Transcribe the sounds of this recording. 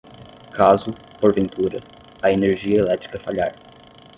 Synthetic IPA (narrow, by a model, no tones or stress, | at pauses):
kʰazʊ | poɾvẽnt̪uɾɐ | ɐeneɾʒiɐelɛt̪ɾikɐfaʎaɾ